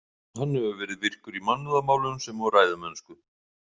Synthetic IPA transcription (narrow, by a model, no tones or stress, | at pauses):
hanːɛvʏvɛːɾɪðvɪr̥kʏɾimanːʏðamaːwlʏnsɛmvɔɣɾraːjðamɛnːskʏ